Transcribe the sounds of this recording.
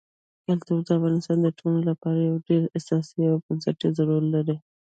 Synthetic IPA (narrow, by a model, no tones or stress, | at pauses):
kalt̪awzd̪əafɣɑnɪst̪ɑnd̪əʈʰololapɑɾajawɖeɾesɑsiawpəzaʈezaɾuɾlaɾi